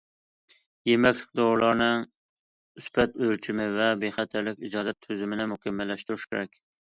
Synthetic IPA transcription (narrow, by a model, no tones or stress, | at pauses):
jemɛkʲlɪ̥k̚ʲd̪oɾlˠɑɾnɨŋ | yspʰɛt̪ølt͡ʃʰimɪvɛbeχæt̪ʰɪɾlɪkʲid͡ʒɑːd̪ɛt̪ʰːøzɪmɪnɪmʊkʲɛmːɛlːɛʃt̪uɾuʃkʲʰeɾɛkʲ